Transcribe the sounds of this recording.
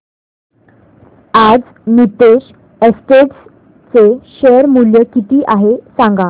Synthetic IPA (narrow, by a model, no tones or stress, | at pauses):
ad͡z | nit̪eɕ | əsʈeʈs | t͡seɕeəɾmuljəkit̪iːʔaɦesãŋɡa